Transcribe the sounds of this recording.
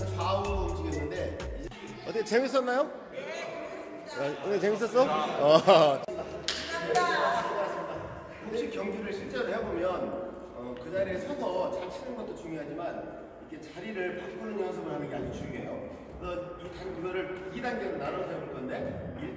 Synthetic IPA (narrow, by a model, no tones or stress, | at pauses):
t͡ɕaot͡ɕiɡenːɯnde̞i | ʌt͈ket͡ɕemis̬͈ʌnːajo | anet͡ɕemis̬͈ʌs͈ʌʌ | eaasoɡas͈ɯmɲida | kɯndeikjʌŋɡuɾɯɭɕʰiɭt͡ɕ͈ʌɾɯɭɦeʌbomjʌn | ʌkɯnaɾesʰʌsʰʌt͡ɕakɕʰinɯnɡʌt̚t͈ot͡ɕuŋjiɦad͡ʑiman | ikʰe̞t͡ɕaɾiɾɯɭpak̚k͈unɯɲʌnsʰʌmɯnɦanɯnɡeaɲit͡ɕuɡiɦejo | kɯɾʌnitakɯɡʌɾɯɭidaŋɡedonaɾʌnɯsʰeboɭk͈ʌnde̞i